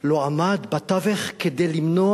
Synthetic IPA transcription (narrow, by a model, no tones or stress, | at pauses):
loamad̪bat̪aveχked̪ejlimno